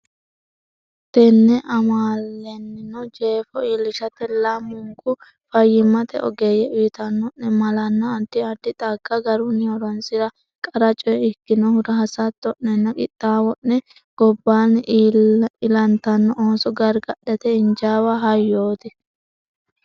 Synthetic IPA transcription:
t̪ɛnːɛʔɐmaːlːɛnːɪnɔd͡ʒeːfɔiːlːɪʃɐt̪ɛlɐmʊŋɡʊ | fɐjːɪmɐt̪ɛ̰ʔɔ̰ɡejɛʊjɪt̪ɐnːɔʔːɛmɐlɐnːɐːt̪ːɪɐd̪ːɪt̪ʼɐɡːɐɡɐɾʊnːɪɔɾɔnsɪɾɐ | kʼɐɾɐt͡ʃʼɔjɛɪkːɪnɔhʊɾɐɦɐsɐt̪ːɔʔnɛnːɐkʼɪt̪ʼːaːwɔʔːɛ | ɡ̥ɔbːaːn | ɪlɐnt̪ɐnːɔʔoːnsɔɡɐɾɡɐɗːɛt̪ɛɪnd͡ʒaːwaɦɐjːoːt̪ɪ

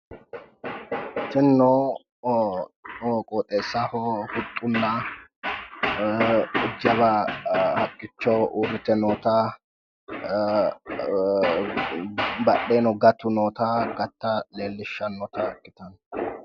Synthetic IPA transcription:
tɛnːoː | kʼoːt̪ʼeːsːaːhohʊt̪ʼːʊnːɐ | ʊd͡ʒɐβɐhɐkʼːɪt͡ʃːɔwʔuːɾɪt̪ɛnoːt̪a | bɐɗeːnɔɡɐt̪ːʊnoːt̪aːɡɐt̪ːɐle̞ːlːɪʃːɐnːɔt̪ɐkːɪt̪ɐn

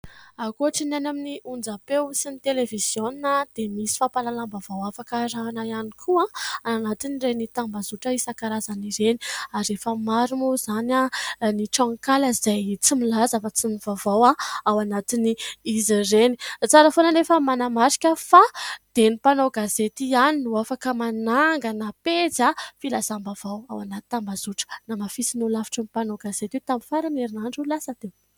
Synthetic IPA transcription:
akoaʈ͡ʂinanaminiund͡zapeusinit̪eleviz̥joninad̪̥emisi̥fapalalambavawafakəɾaːnaianikʰuãaanat̪inirenit̪ambazuʈ͡ʂəisakaɾazaniɾeni̥aɾefəmaɾumuzananiʈ͡ʂaŋkaləizajt͡similazafat͡simivavawaawanat̪iniizirenit͡saɾəfonənefəmanamaɾi̥kʲəfad̪̥enipanowɡazet̪ianinuafakəmanaŋɡənaped͡zafilazambavawawanat̪i̥t̪ambaz̥uʈ͡ʂə̥namafisinulafi̥ʈ͡ʂənipanowɡazet̪et̪aminfaɾaneɾinaɳɖ͡ʐulasəd̪̥e

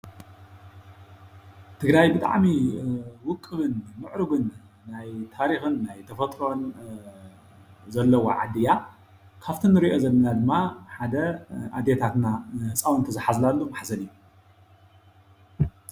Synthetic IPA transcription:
t̪ʰɨɡɾajbɨt̪ʼa̰ʕmiwʊkʼːɨβɨnmɨʕɾɨɡɨnː | ajt̪ʰaɾixɨnːajt̪ʰɐfɐt̪ʼɾo̞n | zɐlːɐwo̰ʕa̰d̪ːɨja | kʰaft̪ʰinːɨɾiʔo̞zɐlːɐnad̪ɨmːaħad̪ɐʔad̪et̪ʰat̪nahɨt͡sʼawɨnt̪ʰɐzɨħazlalːumaħzɐlɨjːu

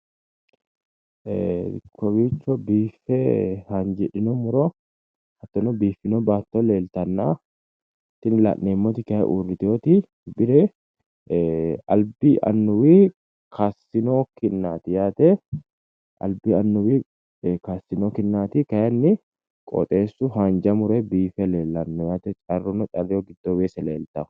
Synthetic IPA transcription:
kɔbit͡ʃːɔbiːfːɛhɐnd͡ʒɛᶑɪnɔmʊɾɔ | hɐt̪ːɔnɔbiːfːɪnɔbaːt̪ːɔleːlt̪ɐnːaː | t̪ːɪnɪla̰ːʔneːmːɔt̪ɪkɐjɛ̰ʔuːrːɪt̪ɪjot̪i | bɪɾɛ | ɐlbɪʔɐ̰nːʊwiː | kʰasɪnoːkɪnːaːt̪ɪjaːt̪ɛ | ʔɐ̰lbɪɐnːʊwiː | kaːsːɪnokɪnːaːt̪ɪkɐjɛnːɪ | kʼɔ̰t̪ʼe̞ːsːʊɦand͡ʒɐmʊɾɛbiːfɛleːlːɐnːɔjaːt̪ɛt͡ʃʼɐrːʊnɔt̪ʼɐɾɪjoɡɪd̪ːobeːsɛleːlt̪ɐ

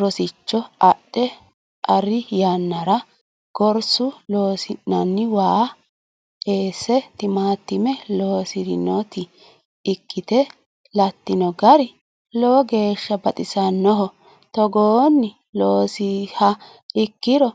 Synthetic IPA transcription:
ɾɔsɪt͡ʃːɔɐɗɛ | ʔɐrɪjanːɐɾɐ | ɡ̥ɔɾsʊloːsɪnːɐnːɪwaː | eːsːɛt̪ɪmaːt̪ːɪmɛloːsɪɾɪ̰nɔt̪ɪː | kːɪt̪ɛ | lɐt̪ːɪnɔɡɐɾɪ | lɔɔɡe̞ːʃːɐbɐt̪ʼɪsɐnːɔɦɔ | t̪ɔɡoːnːɪ | loːsɪhɐ | ɪkːɪɾɔ

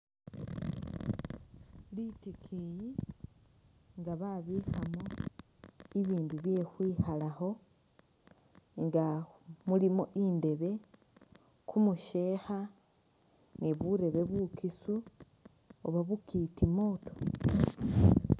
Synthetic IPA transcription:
litikʰiji | ŋɡaβaβiːxamo | iβiːnduβje̞xwiːhalaho̞ | ŋɡamulimoʔinde̞βe̞ | kumuʃe̞ːxa | niβuɾe̞βe̞βukisu | oβaβukitimo̞ːto̥

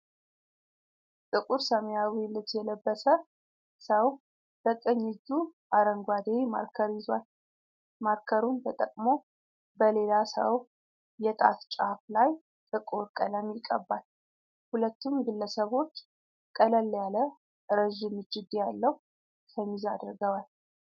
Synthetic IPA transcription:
t̪ʼɨkʼuɾsəmjawilːɨt̪jɛləbːəsə | səw | b̥ək̪ʼɨɲːɪzuʔaɾəŋɡʷad̪ema̰ɾkʰəɾjɪzwal | maɾkʰəɾunt̪ʰət̪ʼəkʼmo̞ | bəle̞lasə̰w | jɛt̪ʼa̰t̪t͡ʃʼaflaj | t̪ʼɨkʼuɾkʼələmjɪkʼːə̰bːal | hulət̪ːumɡɨlːəsəβo̞t͡ʃː | kʼələlːjalə | ɾəʒɪmɨt͡ʃːɪd̪ijalːəhu | səmizad̪ɾɡəwal

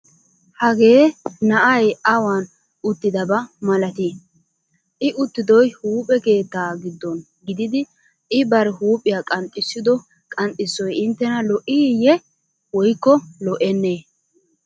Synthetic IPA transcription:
hɐɡe̞ːnɐʔɐjɐwan | ʊt̪ːɪd̪ɐbɐmɐlɐt̪i | ʔɪʔʊt̪ːɪd̪ɔjhuːpʼɛke̞ːt̪ːaːɡɪd̪ːɔn | ɡɪd̪ɪd̪ɪ | ɪbɐɾɛhuːpʼɪjaːkʼɐnt̪ʼːɪsːɪd̪ɔ | kʼɐnt̪ʼːɪsːɔjɪnt̪ːɛnɐlɔʔɪjɛ | wɔjkːɔlɔʔɛnːeː

